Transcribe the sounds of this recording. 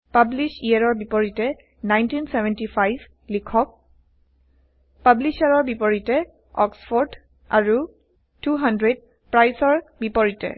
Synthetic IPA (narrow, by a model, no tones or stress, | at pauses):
pablisijaɹɔɹbipɔɹitɛ | najntinsɛvɛntifajb | likʰɔk̚ | pablisaɹɔɹbipɔɹitɛ | ɔksfɔɹd | aɹu | tuɦandɹed̚ | pɹajsɔɹbipɔɹitɛ̰